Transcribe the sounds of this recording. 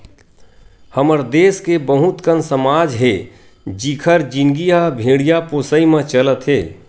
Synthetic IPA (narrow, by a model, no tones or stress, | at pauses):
həməɾd̪eːskebəɦũt̪kənsəmaːd͡ʒɦeː | d͡ʒikʰəɾd͡ʒɪnɡiabʱẽːɽijapoːsəimẽt͡ʃələt̪ɦeː